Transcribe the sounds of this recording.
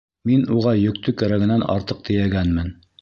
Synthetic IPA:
minuʁɑjɵ̆k̚t̪ɵkæɾæɡɘ̆nænɑ̰ɾt̪ɤq̚t̪ɘ̆jæɡænmɘn

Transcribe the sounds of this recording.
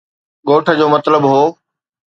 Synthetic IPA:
ɠoːʈʰə̆d͡ʑoːmɐt̪ləbɦoː

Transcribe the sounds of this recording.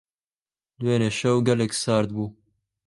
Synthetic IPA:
lweːneːʃɐwɡɛlɛksɑːɾd̪buː

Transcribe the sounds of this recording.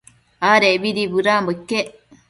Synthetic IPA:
aːɾebiɾibuɾaːmbokːe

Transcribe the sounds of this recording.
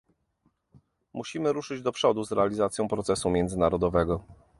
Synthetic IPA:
muɕimɘɾuʂɘd͡ʑd̪ɔpʂɔd̪uzɾɛalʲizat̪sjɔ̃w̃pɾɔt̪sɛsumʲjɛnd̪zɘnaɾɔd̪ɔvɛɡɔ

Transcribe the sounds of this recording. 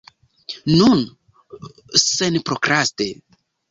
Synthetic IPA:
nun | senpɾokɾaste

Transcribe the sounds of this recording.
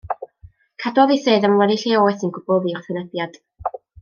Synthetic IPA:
kʰadwɔðiseːðəmwɛdiɬeoːɨθinɡʊbʊlˠviʊr̥θənəb̥jad̥

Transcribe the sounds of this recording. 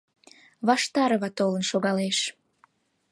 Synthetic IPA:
βɑʃt̪ɑɾəβɑt̪olə̆nʃoɣɑleʃ

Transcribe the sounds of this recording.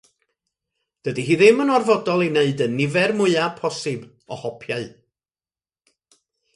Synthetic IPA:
d̥ədiɦiːðɪmənɔrvɔdɔlˠineɨdənːɪvɛrmʊɨapʰɔsɨb | ɔhɔpʰjaɨ

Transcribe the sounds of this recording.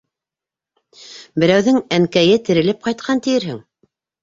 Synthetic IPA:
bɘ̆ɾæwðɘŋæŋkæjɘt̪ɘ̆ɾɘ̆lɘp̚qɑjt̪̚qʰɑnt̪ɘ̆jɘ̆ɾɦɘŋ

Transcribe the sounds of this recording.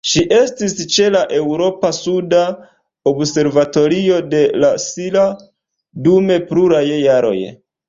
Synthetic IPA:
ʃiʔe̞stist͡ʃe̞laʔe̞wɾo̞pasuda | obse̞ɾvato̞ɾio̞de̞lasila | dume̞pluɾajjaɾo̞̰j

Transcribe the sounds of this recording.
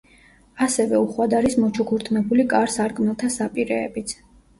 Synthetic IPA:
asɛvɛuχwad̪aɾismɔt͡ʃʰukʰuɾt̪ʰʼnɛbulikʼaɾsaɾkʼnɛlˠt̪ʰasapʼiɾɛ̰ːbit̪sʰ

